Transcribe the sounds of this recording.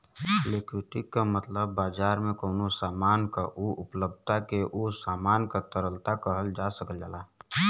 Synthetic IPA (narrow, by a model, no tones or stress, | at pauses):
lekwɪʈikːamət̪ləbːaːd͡ʒaːɾmẽkoːnosaːmaːnkaʔuʊpləb̪t̪akeʔosaːmaːnkat̪əɾəlt̪akəɦəld͡ʒasəkəld͡ʒa̰ːla